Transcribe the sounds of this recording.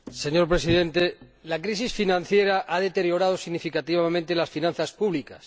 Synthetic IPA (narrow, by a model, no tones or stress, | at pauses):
seɲo̞ɾpɾesiðẽ̞nt̪elakɾis̬isfinãn̟θjeɾaʔaðe̞t̪e̞ɾjo̞ɾað̞osiɣnifikat̪iβamẽnt̪elasfinãn̟θaspuβlikas